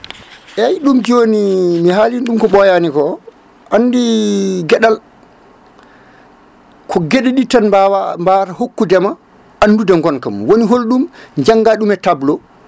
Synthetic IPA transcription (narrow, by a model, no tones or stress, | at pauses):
ʔɛjɗumd͡ʒoːnimiɦaːlinɗumkɔɓɔjanikɔ | ʔanːdiɡɛɗal | kʰɔɡeɗɛɗitanawambaɾahokːudɛma | ʔanːdudɛŋɡɔnkamwoniɦolɗumɲd͡ʒaŋɡaɗumɛtablɔ